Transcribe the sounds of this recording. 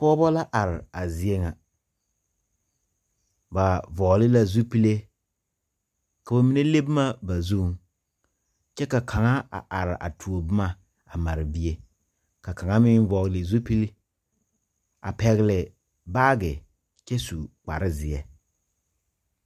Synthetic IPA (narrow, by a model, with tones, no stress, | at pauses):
pɔ˦bɔ˦la˦ʔa˨ɾɪ˨a˨zɪ˨e˦ŋa˨ | ba˨vɔ˨ɣlɪ˦la˦zu˦pi˦le˦ | ka˨ba˨mi˦ne˦le˦bɪ˦ma˦ba˨zu˦ŋ | t͡ʃɛ˦ka˨kʰa˨ŋa˦a̰˨ʔa˨ɾɪ̰˨ʔa̰˨tʰu˨o˨bɪ˦ma˦ | a˨ma˨ɾɪ˨bi˦e˦ | ka˨ka˨ŋa˦mɪ˦n˦vɔ˨ɣlɪ˨zu˦pi˦l | a̰˨pɛ˨ɣɪ˨lɪ˨ | baː˦ɡɪ˨ | t͡ʃɛ˦su˨k͡pa̰˨ɾɪ˦zɪ˨ɛ˨